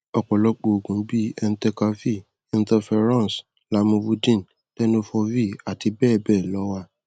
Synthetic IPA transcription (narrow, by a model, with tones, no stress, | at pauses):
ɔ˨k͡pɔ˨lɔ˦k͡po˧o˨ɡũ˨˦bi˦ɛ˧n̩˦tɛ˧ka˧vi˦˨ | ɛ˧n̩˦tɛ˧fɛ˧ɾã˦˨s | la˧˦mũ˧wu˧dĩ˦˨n̩˨ | tɛ˦no˦fɔ˧vi˦˨a˨ti˧bɛː˦˨bɛ˦˨lɔ˨˦wa˦